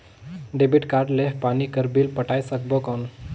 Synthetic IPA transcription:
ɖebiʈkaɾɖleɦpanikəɾbilpəʈajsək̚bokɔn

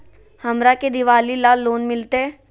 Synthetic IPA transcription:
hɐmɾaked̪ɪʋaːlilaːlːoːnmɪlt̪eɦɛ̃ː

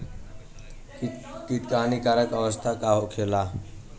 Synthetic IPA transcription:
kit̪kanikaɾəkəʋəst̪ʰakaɦokʰela

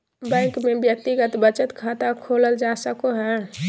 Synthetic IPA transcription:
bɛ̃ːŋkmẽbjək̚t̪iɡət̪bət͡ʃət̪kʰaːt̪akʰoːləld͡ʒaːsəkoɦɛː

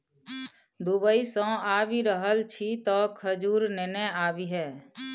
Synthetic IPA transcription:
d̪ubəisɔ̃ːaːʋiɾəɦəlt͡ʃʰit̪ɔːkʰəd͡ʒuːɾnenɛaːbiɦɛː

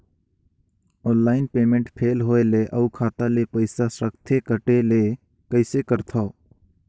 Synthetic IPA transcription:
ɔ̃ːnlaːɪnpeːmẽɳʈpʰeːlɦoːeleʔəukʰaːt̪alepɐɪsasɾəkt̪ʰekəʈele | kəɪsekəɾt̪ʰoː

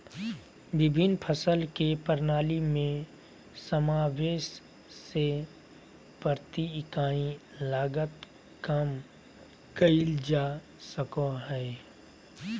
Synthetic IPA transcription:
bɪbʱɪnpʰəsəlkepəɾnaːlimẽ | səmaːweːʃ | se | pəɾt̪ikaːĩlaːɡət̪ | kəm | kəɪld͡ʒaː | səkõɦɛː

